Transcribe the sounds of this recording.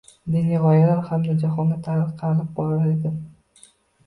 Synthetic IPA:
d̪eniʁɒjalaɾhamd̪ad͡ʒaχɒnd̪at̪ʰaɾɪqʰɑɾɪlɪp̚bɒɾaɾed̪ɪ

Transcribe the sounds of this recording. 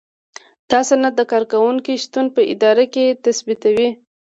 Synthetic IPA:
t̪ɑsonad̪əkɑɾkawuŋkiʃt̪unpəʔɪ̰d̪ɑɾaket̪asbit̪awi

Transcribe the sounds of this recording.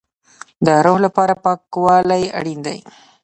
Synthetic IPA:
d̪əɾohlapɑɾapɑkwɑlaja̰ɽind̪a̰j

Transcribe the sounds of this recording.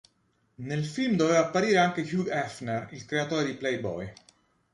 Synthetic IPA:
nelfilmd̪ovɛvapːaɾiːɾeaŋk̟ekjuɡɛfnerilkɾeat̪oːɾed̪iplɛjbɔ̰j

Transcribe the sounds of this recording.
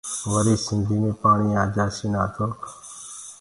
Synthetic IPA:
ʋəɾiːsɪnd̪ʱiːmẽːpaːɳiːãːd͡ʒaːsiːnaːt̪ʰoːk

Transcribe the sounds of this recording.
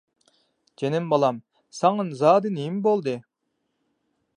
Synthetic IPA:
d͡ʒenɪmbɑlˠɑm | sɑŋɯnzɑːd̪ɨnijimbolˠd̪ɨ

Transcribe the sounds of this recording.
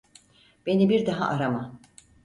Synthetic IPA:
b̥e̞nibiɾd̪aɦa̰ʔaɾama

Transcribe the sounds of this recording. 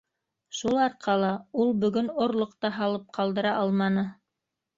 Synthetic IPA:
ʃulˠɑɾqʰɑlˠɑulˠbɵ̆ɡɵnŏɾlˠŏqt̪ɑɦɑlˠɤp̚qʰɑlˠd̪ɤ̆ɾɑʔɑlˠmɑnɤ

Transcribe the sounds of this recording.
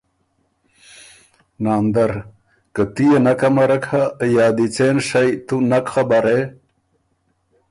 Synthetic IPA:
naːnd̪aɾ | kət̪ijenakamɐɾɐkhajaːd̪it͡seːnʂajt̪unakxabaɾe

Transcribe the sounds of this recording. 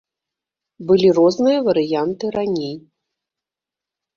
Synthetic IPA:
bɨlʲirɔznɨjɐvɐɾɨjant̪ɨɾanʲej

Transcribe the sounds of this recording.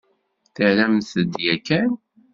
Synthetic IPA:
θəʕlæmθəd̪jækːæn

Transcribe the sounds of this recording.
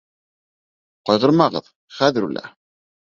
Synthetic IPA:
qɑjʁɤ̆ɾmɑʁɤ̰ð | χæðɘ̆ɾulæ̰

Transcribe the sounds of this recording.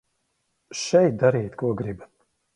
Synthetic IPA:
ʃɛjt̪̚d̪aɾiːt̪kuɔɡɾiba

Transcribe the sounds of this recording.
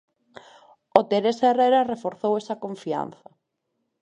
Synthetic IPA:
ot̪eɾesereɾarefoɾθowesɐkoɱfia̰n̟θɐ

